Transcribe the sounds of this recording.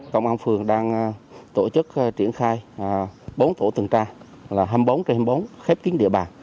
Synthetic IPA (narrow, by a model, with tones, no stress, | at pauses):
kə̰˧˨wŋ͡mʔaː˧nfɨ˨˩əŋɗaː˧ŋ˨˩t̪o˧˩t͡ɕɨ˦˥k̚t͡ɕi˧˩ənxaː˧j | ɓo˨˦nt̪o˧˩t̪ɨ˨˩ŋt͡ɕaː˧ | laː˨˩ɦə˧mɓo˨˦wnt͡ɕe˧hə˧mɓə˨˦wnxɛ˦˥p̚ki˨˦ənɗḭ˧˨əɓaː˨˩ŋ